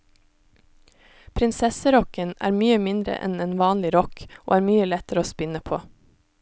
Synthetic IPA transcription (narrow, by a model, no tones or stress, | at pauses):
pʰɾɪnsɛsəɾɔkənæ̰ːɾmyːəmɪnd̪ɾə̰ʔɛ̰neːnʋɑːnlɪɾɔkʔo̰ːæːɾmyːəlɛt̪əɾəoːspɪnəpʰoː